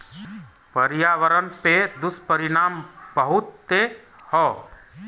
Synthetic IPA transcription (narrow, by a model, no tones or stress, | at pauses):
pəɾijaʋəɾənped̪uspəɾinambəɦut̪ːehɔ